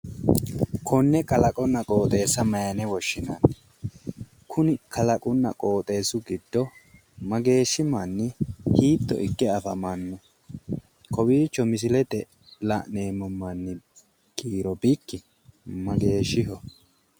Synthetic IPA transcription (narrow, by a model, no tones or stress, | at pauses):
kʰɔnːɛkʼɐlɐkʼɔnːɐkʼo̞ːt̪ʼe̞ːsːɐmɐjɐnɛwɔʃːɪnan | kʰʊnɪkʰɐlɐkʼʊnːɐ̰kʼo̞ːt̪ʼe̞ːsʊɡɪd̪ːɔ | mɐɡe̞ːʃːɪmanːɪhiːt̪ːɔ̰ʔɪkːɛɐfɐmanːɔ | kʰɔbiːt͡ʃːɔmɪs̬ɪlɛt̪ɛ | laʔneːmɔmːanːɪ | ɡiːɾɔbɪkːɪ | mɐɡe̞ːʃɪɦɔ